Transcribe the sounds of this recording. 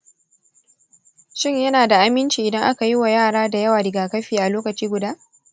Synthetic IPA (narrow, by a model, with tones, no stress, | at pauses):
ʃɪ˦˨ɲjɐ˦naː˨da˨ʔa˦mɪ˦nt͡ʃiː˨ʔɪ˨dɐ˦ŋʔa˦ka˨ji˦wa˨jaː˦˨ɽaː˦da˨jɐ˦waː˨dɪ˨ɡaː˨kɐ˦ɸiː˨ʔa˨loː˦kɐ˨t͡ʃiː˦ɡʷʊ˨daː˦